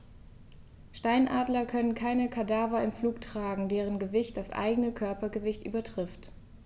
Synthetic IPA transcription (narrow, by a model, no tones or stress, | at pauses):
ʃtaɪnʔaːdlɐkʰœnənkʰaɪnəkʰadaːvɐɪmfluːktʁ̥aːɡŋ̩deːʁ̞ənɡəvɪçt̚d̥asʔa̰ɪɡənəkʰœɐpɐɡəvɪçtʔy̰ːbɐtʁ̥ɪft